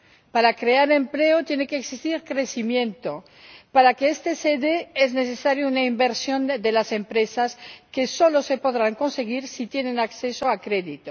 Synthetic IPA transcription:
paɾakɾeaɾe̞mple̞ot̪jene̞keːksist̪iɾkɾe̞simje̞nt̪o̞ | paɾakeest̪e̞seðeezne̞θe̞saɾjounaimbe̞ɾsjo̞nd̪e̞lase̞mpɾe̞saske̞so̞lo̞se̞po̞ðɾaŋko̞nse̞ɣ̞iɾsit̪je̞nẽ̞nakθe̞so̞akɾe̞ðit̪o

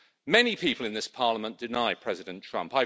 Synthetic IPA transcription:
mɛnipʰiˑpʰəlɪ̃nðɪspʰɑːləmə̃nd̥ɪnaɪpʰɹ̥ɛzɪdə̃ntʰɹ̥ʌ̰̃mpaɪ

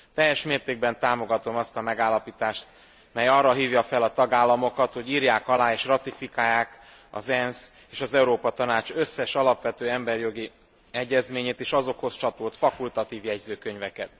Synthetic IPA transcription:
t̪ɛjːɛʃmeːrt̪eːɡ̚bɛnt̪aːmo̞ɡɒt̪o̞mɒst̪ɒmɛɡaːlːɒpiːt̪aːʃt̪ | mɛjɒrːɒɦiːvjɒfɛlɒt̪ɒɡaːlːɒmo̞kɒt̪ho̞ɟiːrjaːkɒlaːeːʃrɒt̪ifikaːjːaːk | ɒ̰zɛns | eːʃɒzɛuɾoːpɒt̪ɒnaːt͡ʃø̞sːɛʃɒlɒpʋɛt̪øːɛmbɛrjo̞ɡi | ɛɟːɛzmeːɲeːt̪eːʃɒzo̞kho̞st͡ʃɒt̪ult̪fɒkult̪ɒt̪iːvjɛɟzøːkøɲvɛkɛt̪

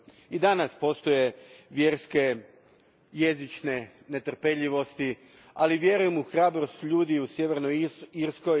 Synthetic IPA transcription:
id̪anaspo̞st̪o̞je̞ʋje̞ɾske̞ | je̞zit͡ʃne̞ | ne̞t̪r̩pe̞ʎiʋo̞st̪i | aliʋje̞ɾujemuxɾaːbɾo̞st̪ʎuːd̪iusje̞ʋe̞ɾnoiɾsko

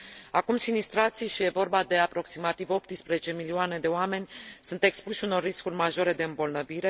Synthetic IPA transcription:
akumsinist̪ɾat̪sijʃije̞vo̞rbad̪e̞apɾo̞ksimat̪ivo̞p̚t̪ɨspɾezet͡ʃe̞milioane̞d̪e̞oame̞nʲsunt̪e̞kspuʃuno̞rːiskurʲmaʒo̞ɾe̞d̪e̞ɨmbo̞lnəviɾe̞

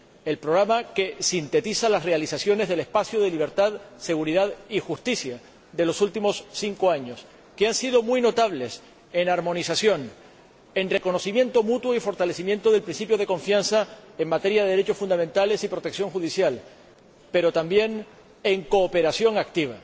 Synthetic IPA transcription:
e̞lpɾoɣɾamake̞sint̪e̞t̪isalasre̞alisasjo̞ne̞zðele̞spasjoðe̞liβ̞e̞ɾt̪aðse̞ɣuɾiðaðixust̪isja | d̪e̞lo̞sult̪imo̞sːiŋko̞aɲo̞s | keansiðo̞mwujno̞t̪aβle̞s | e̞naɾmõ̞nisasjo̞n | enre̞ko̞no̞simjẽ̞nt̪o̞mut̪woifo̞ɾt̪ale̞simje̞nt̪o̞ðe̞lpɾinsipjo̞ð̞e̞kõ̞ɱfjansaeŋmat̪e̞ɾjaðeðeɾet͡ʃo̞sfund̪ament̪ale̞sipɾot̪e̞ksjo̞ŋxuðisjal | pe̞ɾo̞t̪ambje̞n | eŋko̞ːpe̞ɾasjo̞ŋak̚t̪iβ̞a̰

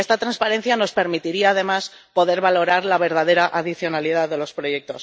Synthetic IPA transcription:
e̞st̪at̪ɾanspaɾe̞n̟θjano̞spe̞ɾmit̪iɾiaːð̞e̞mas | po̞ðe̞ɾβalo̞ɾaɾlaβe̞ɾðað̞e̞ɾaʔaðiθjo̞naliðaððe̞lo̞spɾo̞je̞k̚t̪o̞s

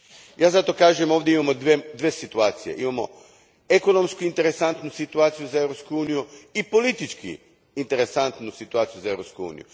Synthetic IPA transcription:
jaːzat̪okaːʒemo̞ːʋd̪je̞imamod̪ʋed̪ʋesit̪uaːt̪sije̞̰ʔimamo̞̰ | eko̞no̞mskuint̪e̞ɾe̞sant̪nusit̪uaːt̪sijuzae̞vɾopskuuːnijuipo̞lit̪it͡ʃkḭː | nt̪e̞ɾe̞sant̪nusit̪uaːt̪sijuzae̞vɾo̞pskuṵːnḭjṵ

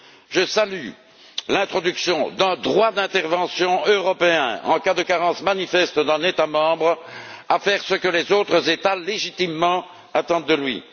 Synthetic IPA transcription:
ʒəsaly | lɛ̃t̪χɔd̪yksjɔ̃d̪ɛ̃d̪ʁwad̪ɛ̃t̪ɛʁvɑ̃sjɔ̃øʁɔpeɛ̰̃ɑ̃kad̪əkaʁɑ̃smanifɛst̪d̪ɛ̃net̪amɑ̃bʁafɛʁsəkəlɛzot̪χəzet̪aleʒit̪imːɑ̃ | at̪ɑ̃d̪ːəlɥḭ

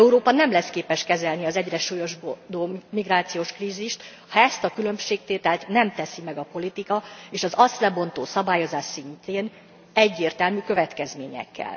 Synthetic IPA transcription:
ɛuɾoːpɒnɛmlɛskeːpɛʃkɛzɛlniɒzɛɟrɛʃuːjo̞ʒbod̪omiɡraːt̪sijoːʃkriːziʃt̪ | hɒɛst̪ɒkylø̞mʃeːk̚t̪eːt̪ɛlt̪nɛmt̪ɛsimɛɡɒpo̞lit̪ikɒeːʃɒzɒst̪lɛbo̞nt̪oːsɒbaːjo̞zaːʃsint̪eːn | ɛɟːeːrt̪ɛlmykøvɛt̪kɛzmeːɲɛ̰kʰːɛ̰l

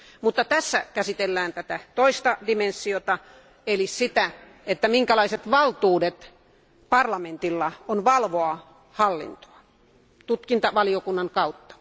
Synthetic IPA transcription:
mut̪ːɑt̪æsːækæsit̪elːæːnt̪æt̪æt̪oist̪ɑdimensːiot̪ɑ | elissit̪æ | et̪ːæmiŋkælɑiset̪ʋɑlt̪uːdet̪ | pɑrlɑment̪ilːɑonʋɑlʋoɑ | hɑlːḭnt̪o̥ɑ | t̪ut̪kint̪ɑʋɑliokunːɑŋkɑut̪ːɑ̥

